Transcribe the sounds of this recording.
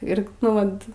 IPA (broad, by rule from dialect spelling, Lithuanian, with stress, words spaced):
ˈɪr nʊ ˈʋɐt